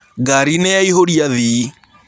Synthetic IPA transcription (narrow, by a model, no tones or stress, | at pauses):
ɡaɾinɛjaiɦoɾiaði